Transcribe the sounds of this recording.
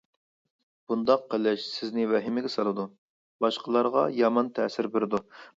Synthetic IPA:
b̥und̪ɑqqːəlɪʃsɪznɪvɛɦɪmɪɡʲɛsɑlˠɨd̪u | bɑʃqʰəlˠɑɾʁɑ̰jɑmɑnt̪ʰɛsɪɾbɪɾɪd̪u

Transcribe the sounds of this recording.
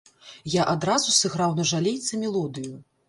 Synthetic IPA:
jaʔad̪ɾazusɨɣɾawnɐʐalʲejt̪sɐmʲɛlˠɔd̪ɨju

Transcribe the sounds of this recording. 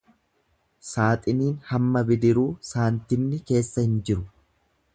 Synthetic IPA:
saːt̪ʼɪniːnhɐmːɐbɪd̪ɪɾuːsaːnt̪ɪmnɪke̞ːsːɐhɪnd͡ʒɪɾʊ

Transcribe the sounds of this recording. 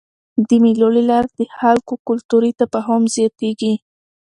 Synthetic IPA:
d̪əmilolilɑɾd̪̥əxalkokʊlt̪uɾit̪apəɦɑmzjɑt̪eɡi

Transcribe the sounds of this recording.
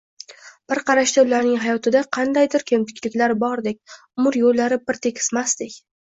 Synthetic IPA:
b̥ɪɾqʰɑɾaʃd̪aʊlaɾnɪŋɦajɒt̪ʰɪd̪aqʰɑnd̪ajd̪ɪɾkʲʰemt̪ʰɪ̥kʲlɪkʲlaɾbɒɾd̪ekʲ | mʊɾjolːaɾɪpɪɾt̪ʰe̞kʲʰɪ̥smast̪ɪkʲ

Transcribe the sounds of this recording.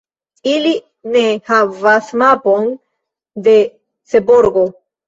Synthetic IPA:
ili | nehavasmapo̞n | d̪e̞ | t͡seboɾɡo̞

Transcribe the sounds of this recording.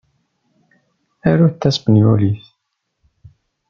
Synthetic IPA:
æɾuθt̪ːæspənjuliθ

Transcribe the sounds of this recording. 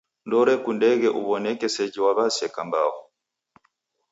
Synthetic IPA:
ndɔɾɛkundɛɣɛʔuβɔnɛkɛsɛd͡ʒiwaβasɛkamba̰hɔ

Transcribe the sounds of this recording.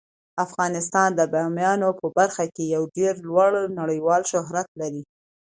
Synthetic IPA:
afɣɑnɪst̪ɑnd̪əbamjɑnopəbaɾxakejawɖeɾlwaɽnaɽəjwɑlʃʊɦɾat̪laɾi

